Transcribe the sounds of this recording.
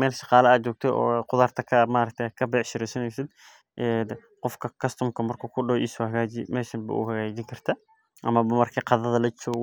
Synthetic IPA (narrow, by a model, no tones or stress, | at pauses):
ɛːlʃɑqɑːlɐɐt͡ʃɔːɡ̚t̪ʰɛʔɔ̰ːqʊðaːrt̪ʰɐkʰɐmaːɾɐk̚t̪ʰːkʰɐbɛʕʃɪɾɛsɐnɛsɪd̪ | ʔɛd̪ | qɔfkʰɐkʰɐst̪ʰɔmkʰɐmɐrkʰɐkʰʊɖɔʔɪshɐɣaːd͡ʒɪmɛːʃɐmbɐ̰ʔʊ̰hɐɣɛːd͡ʒɪŋkʰɐr̥t̪ʰa | ʔɐmɐbɐmɐrkʰiqɑðɐðɐlɐt͡ʃɔː